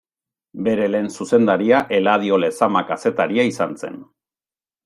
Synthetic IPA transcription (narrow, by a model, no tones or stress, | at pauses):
be̞ɾe̞le̞ːnsuse̞nd̪aɾiaʔe̞lað̞io̞le̞samakase̞t̪aɾiaisanse̞̰n